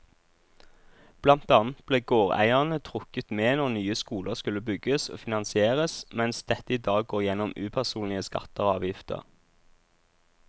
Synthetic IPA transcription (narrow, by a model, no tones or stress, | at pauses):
b̥lɑnt̪ɑːnt̪̚b̥leːɡoːʁæ̰ɪəʁnət̪ʰʁʊkət̪meːnɔʁnyːəskuːlʔəʁskʉlːəbʏɡəso̰ːfɪnɑnsɪeːʁəsmɛnsd̪ɛt̪əiːd̪ɑːɡɡoːʁjɛnɔmʉːpʰæʁsuːnlɪəskɑ̰t̪əʁɑːʋjɪft̪ə̰ʁ